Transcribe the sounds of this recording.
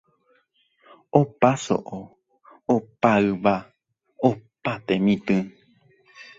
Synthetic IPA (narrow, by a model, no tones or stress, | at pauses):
opaso̰ʔo | opaɨβa | opat̪emĩt̪ɨ̃